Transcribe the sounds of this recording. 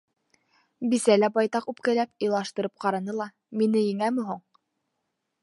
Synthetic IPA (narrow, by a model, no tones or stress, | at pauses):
bisælæbɑjt̪ɑqʉp̚kælæpɤ̆lˠɑʃt̪ɤ̆ɾɤp̚qɑɾɑnɤlˠɑ | minɘjɘ̆ŋæmɘ̆ɦuɴ